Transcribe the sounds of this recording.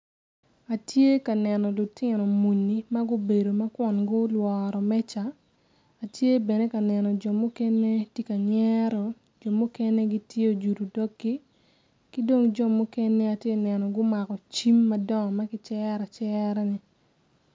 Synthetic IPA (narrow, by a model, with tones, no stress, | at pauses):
a˨tje˦ka˨nɛ˨nɔ˨lʊ˨tɪ˦nɔ˨mu˨nːi˨ma˦ɡʊ˦be˨do˨ma˦kwɔ˨nɡʊ˦lwɔːɾɔ˨mɛ˦t͡ʃaː˨ | tje˦bɛ˨ne˦ka˨nɛ˨nɔ˨d͡ʒɔ˨mʊ˦kɛ˦ne˦te˦ka˨ɲɛ˦ɾɔ˨ | d͡ʒɔ˨mʊ˦kɛ˦ne˦ɡi˦tje˦o˨d͡ʒu˨ɾu˨dɔ˦ɡi˦ | ki˦do˦ŋd͡ʒɔ˨mʊ˦kɛ˦ne˦a˨tje˦nɛ˨nɔ˨ɡʊ˦ma˨kɔ˨t͡ʃi˦mːa˦dɔ˦ŋ˨ma˦kɪ˦t͡ʃɛː˦ɾa˨t͡ʃɛɾɛ˦ni˨